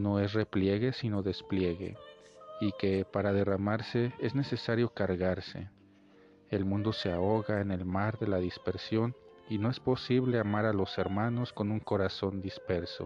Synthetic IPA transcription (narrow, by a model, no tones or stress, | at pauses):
no̞e̞s̬re̞plje̞ɣe̞sino̞ðe̞splje̞ɣe̞̰ | ike̞paɾaðe̞ramaɾse̞e̞zne̞se̞saɾjo̞kaɾɣaɾse̞̰ | elmũnd̪o̞se̞ao̞ɣaene̞lmaɾðe̞laðispe̞ɾsjo̞nino̞e̞spo̞siβleamaɾalo̞se̞ɾmano̞sko̞nuŋko̞ɾaso̞nd̪ispe̞ɾso̞̰